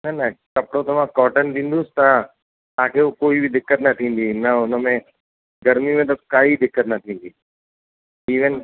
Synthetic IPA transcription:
nɐnɐkɐpɽõt̪ɐʋ̤ãkɔːʈənd̪ĩːnd̪ʊsɪ̥t̪a | t̪aãkʰeukoːibɪd̪ɪkːət̪nɐt̪ʰĩːn̆d̪inɐʊnəmẽ | ɡɐɾmimẽt̪ɐkaːid̪ɪkːət̪nɐt̪ʰĩːn̆d̪iː | iːʋən

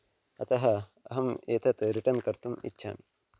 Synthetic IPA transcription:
ɐt̪ɐɦɐ | ɐɦɐmeːt̪ʰɐt̪ɾiʈɐnkɐɾt̪umḭtːʃʰa̰ːm

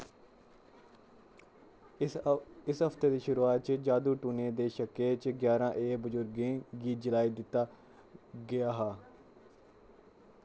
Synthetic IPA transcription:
ɪsɦəft̪eːd̪iːʃʊɾuːaːt̪̚t͡ʃd͡ʒaːd̪uːʈuːneːd̪eːʃəkeːt͡ʃɡjaːɾãːʔeːbʊzʊɾɡẽːɡiːd͡ʒəlaːiːd̪ɪt̪ːaː | ɡɪjaːɦaː

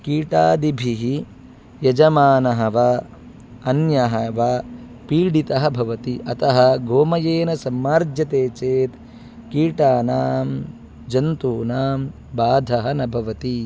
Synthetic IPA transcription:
kiːʈaːd̪ibʱiɦi | jɐd͡ʒɐmaːnɐɦɐʋɐ | ɐnjɐɦɐʋɐ | piːɽit̪ɐɦɐbʱɐʋɐt̪iʔɐt̪ɐɦɐɡoːmɐjeːnɐsɐmːaːɾd͡ʒʱjɐt̪eːt͡ʃeːt̪ | kiːʈaːnaːm | d͡ʒɐnt̪uːnaːm | baːd̪ʱɐɦɐnɐbʱɐʋɐt̪i

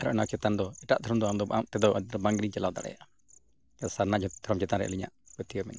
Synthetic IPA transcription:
aɾɔ̰ʔnakt͡ʃɛt̪and̪ɔɛʈaʔd̪ʰʱɔɾɔmd̪ɔamd̪ɔba̰ʔamʔt̪ɛd̪ɔʔəd̪ɾɔbaŋɡɾiɲt͡ʃɛlawd̪a̰ɽɛ̰ja̰ʔa | saɾnad͡ʒɔd̪ʰʱɔɾɔmd͡ʒɛt̪anɾɛ̰ʔliɲa̰ʔkət̪ijɔmɛ̰na

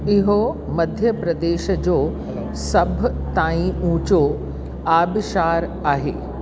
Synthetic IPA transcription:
ɪɦo | mɐd̪ʱjəpɾɐd̪eːʃəd͡ʑoː | sɐbʱt̪aːĩũːt͡ɕo | aːbɪʃaːɾaːɦḛː

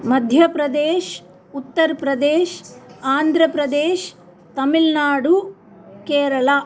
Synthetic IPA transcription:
mɐd̪ʱjɐpɾɐd̪eːʃ | ut̪ːɐɾpɾɐd̪eːʃaːnd̪ʱɾɐpɾɐd̪eːʃ | t̪ɐmilnaːɽu | keːɾɐɭa

